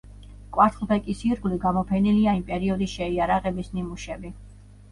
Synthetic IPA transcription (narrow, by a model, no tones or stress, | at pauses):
kʼwaɾt̪ʰlˠbʰɛkʼisiɾɡliɡamɔpʰɛniliaimpʼɛɾiɔd̪isʃɛiaɾaʁɛbisnimuʃɛbi